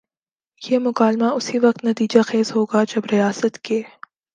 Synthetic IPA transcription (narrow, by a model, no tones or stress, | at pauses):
jemʊkaːlmaʊsiʋɐq̚t̪nɐt̪iːd͡ʒaxeːzɦoːɡad͡ʒɐbɾɪjaːsət̪keː